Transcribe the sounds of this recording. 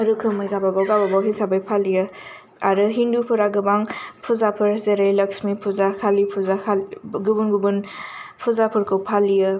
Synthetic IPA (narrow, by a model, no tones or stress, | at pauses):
ɐɾɯkʰɯmɯjɡababawɡababawɦisabajpʰalijɯ | aɾɯɦindupʰɯɾaɡɯbaŋpʰuzapʰɯɾzeɾajlɐksmipʰuzakʰalipʰuzakʰaɡubunɡubunpʰuzapʰɯɾkʰɯwpʰalijɯ